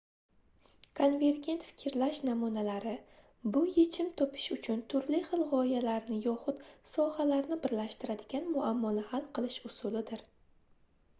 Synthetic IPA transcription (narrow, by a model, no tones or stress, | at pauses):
kʰonve̞ɾɡʲe̞nt̪fɪ̥kʲʰɪɾlaʃnamunalaɾɪ | bʊje̞t͡ʃʰɪmt̪ʰɒpʰɪ̥ʃʊt͡ʃʰʊnt̪ʰʊɾlɪχɨlˠʁɒɪjalaɾnɪjɒχʊt̪sɒhalaɾnɪbɪɾlaʃt̪ɪɾad̪ɪɡʲanmʊamːɒnɪhalˠqɨlˠɪʃʊsʊlɪd̪ɪɾ